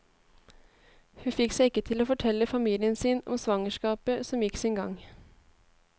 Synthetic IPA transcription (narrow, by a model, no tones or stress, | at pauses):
hʉfɪksæɪkːət̪ʰɪloːfɔʈʰɛlːəfɑmiːlɪənsiːnɔ̰msʋɑŋəʃkɑːpəsɔmjɪksɪnɡɑ̰ŋ